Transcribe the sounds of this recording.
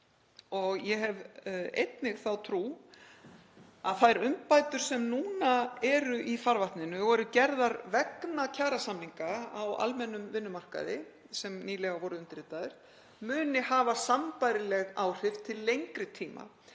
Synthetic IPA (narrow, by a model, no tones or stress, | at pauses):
ɔɣjɛɦɛvḛjt̪nɪɣθawt̪ʰɾuː | aðθajɾʏmpaːjt̪ʏɾ̥sɛmnuːnaɛɾʏʔifaɾvaht̪nɪnʏɣɔɾʏcɛɾðaɾvɛknacʰaːɾasamniŋkaawa̰lmɛnːʏmvɪnːʏmar̥ka̰ðɪ | sɛmniːlɛɣavɔɾʏʏnt̪ɪɾɪːt̪aðɪɾ̥ | mʏːnɪhaːvasampajɾɪlɛɣaːwr̥ɪft̪ʰɪlːejŋkɾɪt̪ʰiːma̰